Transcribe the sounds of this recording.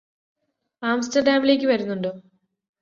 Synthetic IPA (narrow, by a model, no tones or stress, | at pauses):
aːmstɐrɖaːmile̞ːk̬ʲːɨʋɐɾunːuɳɖoː